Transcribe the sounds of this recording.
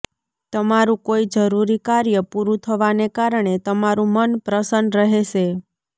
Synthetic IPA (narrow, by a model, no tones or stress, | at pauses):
t̪əmaɾũkoid͡ʒəɾuɾikaɾjəpuɾũt̪ʰəʋanekaɾəɳ̃et̪əmaɾũmənpɾəsənd̪ɾəɦeʃe